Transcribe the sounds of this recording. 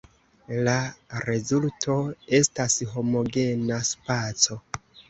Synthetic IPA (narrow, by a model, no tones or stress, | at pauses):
laɾe̞zultʰo̞e̞stasɦo̞mo̞ɡe̞naspat͡so̞